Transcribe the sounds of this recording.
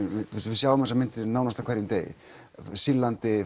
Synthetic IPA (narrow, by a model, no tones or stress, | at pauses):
ɪust̪vɪsjawvʏmðɛsamɪn̥t̪ɪɾɪnaːwnast̪akʰɛɾjʏmt̪eːjɪ̰ | silːant̪ɪ